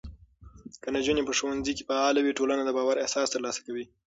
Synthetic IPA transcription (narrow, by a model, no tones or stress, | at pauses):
kənad͡ʒunepəʃowanzike̥faɑlawiʈolanad̪əbɑwaɾehsɑst̪əɾlɑsḁkawi